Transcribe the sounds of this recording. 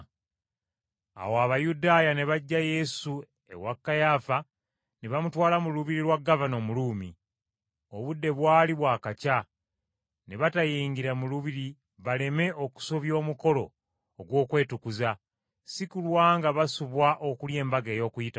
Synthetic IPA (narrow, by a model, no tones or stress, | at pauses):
a̰woaβajudaːjane̞βaɟːaje̞su | e̞̰wakːajaːfa | neβamutwaːlamuluβiɾilwaɡːavano̞ːmuluːmi | o̞βudːe̞βwaːliβwaːkaca | ne̞βatajiːŋɡiɾamuluβiɾi | βale̞me̞ʔo̞ku̥soβjo̞ːmuko̞lo̞̰ː | ɡwo̞ːkwe̞ːtukuza | sikulwaːŋɡaβasuβwaʔo̞kulje̞ːmbaɡe̞ːjo̞ːkujita